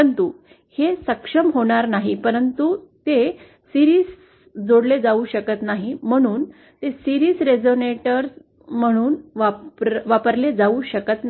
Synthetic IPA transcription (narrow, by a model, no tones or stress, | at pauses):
ənt̪u | hesəkʂəmɦoɽ̃aɾnaɦipəɾənt̪ut̪e | siɾiːs | d͡zoɽled͡zauɕəkət̪naɦim̤əɽ̃uːn | t̪esiɾiːsɾed͡zoneʈəɾs | m̤əɽ̃uːnʋaʋapəɾled͡zauɕəkət̪n